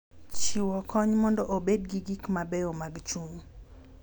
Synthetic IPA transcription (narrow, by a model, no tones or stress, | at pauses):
t͡ʃiwɔkʰɔɲmɔndɔʔobedɡiɡikmabɛomaɡt͡ʃuŋ